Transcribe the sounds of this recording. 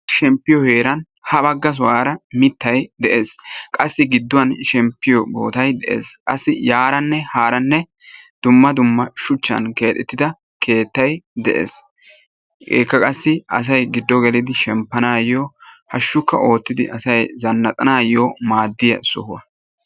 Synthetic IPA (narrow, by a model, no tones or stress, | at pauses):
ʃɛmpːɪjɔhe̞ːɾɐn | hɐbɐɡːɐs̬ʊwaːɾɐmɪt̪ːɐjd̪ɛʔe̞ːskʼɐsːɪɡɪd̪ːʊwɐnʃɛmpːɪjɔbo̞̰ːt̪ɐjd̪ɛʔḛːskʼɐ̰sːɪjaːɾɐnːɛhaːɾɐnːɛ | d̪̥ʊmːɐd̪ʊmːɐʃʊt͡ʃːɐ̰nke̞ːt̪ʼɛt̪ːɪd̪ɐ | kʰe̞ːt̪ːɐjd̪ɛʔḛːs | ḛːkːɐkʼɐsːɪɐ̰s̬ɐjɡɪd̪ːɔɡɛlɪd̪ɪʃɛmpːɐnaːjohɐʃːʊkːɐʔo̞ːt̪ːɪd̪ɪʔɐsɐjzɐnːɐt̪ʼɐnaːjomaːd̪ːɪjɐ̰sʊ̰hʊwɐ̰